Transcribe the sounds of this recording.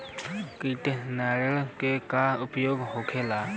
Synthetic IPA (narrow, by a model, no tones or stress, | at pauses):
kiʈenaɾəlkekaʊpjoɡɦokʰela